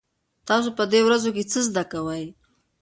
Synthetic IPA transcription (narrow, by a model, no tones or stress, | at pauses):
t̪ɑsopəd̪ewɾazoket͡səzd̪akawəj